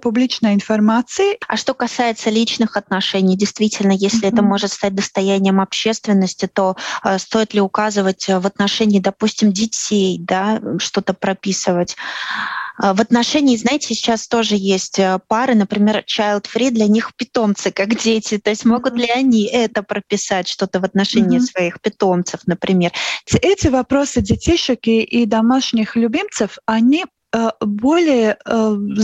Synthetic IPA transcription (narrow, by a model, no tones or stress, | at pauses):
pʊblʲit͡ɕnəjɪnfɐrmat̪sɨɪɐ̰ʂt̪o̞kɐsajɪt̪səlʲit͡ɕnɨxɐt̪nɐʂɛnʲɪjdʲɪjst̪vʲitʲɪlʲnəjesʲlʲɪɛt̪əmo̞ʐɨt̪st̪at̚ʲd̪əst̪ɐjænʲɪjəmɐpɕːe̞st̪vʲɪnːəsʲtʲɪt̪o̞st̪o̞jɪt̪lʲɪʊkazɨvətʲvət̪nɐʂɛnʲɪːd̪ɐpusʲtʲɪmdʲɪtʲejd̪aʂt̪o̞t̪əpɾɐpʲisɨvətʲ | vət̪nɐʂɛnʲɪːznajɪtʲɪsʲɪt͡ɕast̪o̞ʐɨjesʲtʲəpaɾɨnəpɾʲɪmʲe̞rt͡ɕajlˠt̪fɾʲid̪lʲɐnʲixpʲɪt̪o̞mt̪sɨkakdʲetʲɪt̪o̞ɪsʲtʲmo̞ɡʊt̪dlʲɪɐnʲiʔɛt̪əpɾəpʲɪsatʲʂt̪o̞t̪əvɐt̪nɐʂɛnʲɪːsvɐixpʲɪt̪o̞mt̪sɨfnəpɾʲʔɪmʲe̞rʲɛtʲɪvɐpɾo̞sɨdʲɪtʲiɕɪkɪʔid̪ɐmaʂnʲɪxlʲʊbʲimt̪sɨfɐnʲi | bo̞lʲɪjə